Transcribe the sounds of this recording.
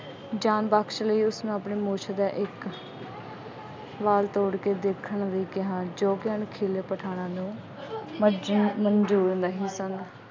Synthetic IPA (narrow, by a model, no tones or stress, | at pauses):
d͡ʒaːnbaːkʃləiːʊsnũːapɳeːmoːt͡ʃʰaːd̪aːʔɪk | ʋaːlt̪oːɽkeːd̪eːkʰːəɳləiːkɪɦãːd͡ʒoːkɪəɳkʰeːleːpəʈʰaːnãːnũː | mməɲd͡ʒuːɾnd̪aːɦiːsən